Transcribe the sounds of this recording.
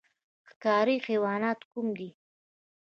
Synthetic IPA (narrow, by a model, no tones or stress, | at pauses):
xkɑɾixiwɑnɑt̪kumd̪i